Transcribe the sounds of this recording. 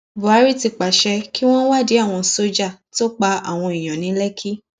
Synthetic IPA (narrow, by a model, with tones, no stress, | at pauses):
bu˨a˨˦ɾi˦˨ti˧k͡pa˨ʃɛ˧ki˦w̃ɔ̃˦wa˦˨di˨˦a˦˨w̃ɔ̃˧so˦d͡ʒa˦˨to˦k͡pa˧a˨w̃ɔ̃˧i˨j̃ɔ̃˨nĩ˨˦lɛ˦kʰi˦